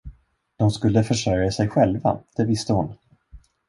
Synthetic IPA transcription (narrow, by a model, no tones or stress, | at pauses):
d̪̥ɔmskɵlːəfœʂœɾjasɛjɧɛlva̰d̪̥ɛvɪst̪əhʊn